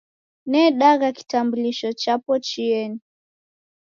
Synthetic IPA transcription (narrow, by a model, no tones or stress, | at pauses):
nɛɗaɣaki̥tambuliʃɔt͡ʃapɔt͡ʃiɛni